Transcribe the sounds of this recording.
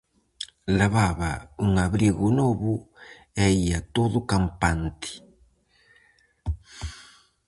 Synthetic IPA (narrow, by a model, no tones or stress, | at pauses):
laβaβauŋaβɾiɣʊnoβʊ | eiat̪oðʊkampant̪ɪ̥